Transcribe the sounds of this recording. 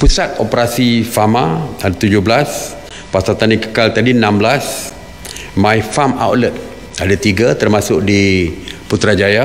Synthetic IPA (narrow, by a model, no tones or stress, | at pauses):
pusat̪̚opəɾasifamaadat̪ud͡ʒʊɦblas | pasat̪andikə̥kalt̪adinãmblas | mãjfama̰wtlət̪̚ | adat̪iɡat̪ərmasʊk̚diput̪ɾad͡ʒaja